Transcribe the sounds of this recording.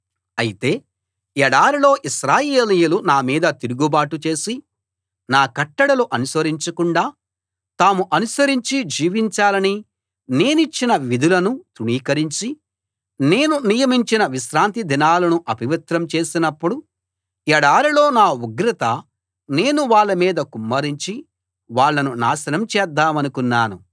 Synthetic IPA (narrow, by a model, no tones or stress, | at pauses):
ɐjit̪e̞ː | ɛɽaːɾilo̞ːʔiʃɾaːjeeːlijulunaːmiːd̪ɐt̪iɾuɡubaːʈut͡ʃe̞ːsi | naːkɐʈːɐɽɐluʔɐnusʋɐɾiɲt͡ʃɐkuɳɖaː | t̪aːmuʔɐnusɐɾiɲt͡ʃid͡ʒiːʋiɲt͡ʃaːlɐni | ne̞ːnit͡ʃːinɐʋid̪ʱulɐnut̪uɳiːkɐɾiɲt͡ʃi | ne̞ːnunijɐmiɲt͡ʃinɐʋiʃɾaːnt̪id̪ʱinaːlɐnuʔɐpiʋɐt̪ɾɐmt͡ʃe̞ːsinɐpːuɽu | ɛɽaːɾilo̞ːnaːuɡɾɐt̪ɐ | ne̞ːnuʋaːɭːɐmiːd̪ɐkumːɐɾiɲt͡ʃi | ʋaːɭːɐnuna̰ːsɐnɐmt͡ʃɛːd̪ːaːmɐnukunːaːnu